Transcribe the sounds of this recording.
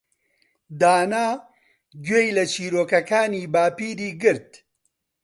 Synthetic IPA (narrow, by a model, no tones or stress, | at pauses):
d̪aːnaː | ɡweːjlɐt͡ʃʰiːɾoːkɐkaːniːbaːpiːɾiːɡɨɾt̪̚